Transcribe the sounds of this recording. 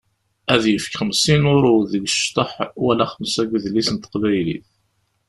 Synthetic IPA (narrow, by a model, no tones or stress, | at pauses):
æðjəfkχəmsinʊɾuðəɡəʃt̪ˤəħwælæχəmsæɡʷðlisənt̪ə̥qvæjlḭθ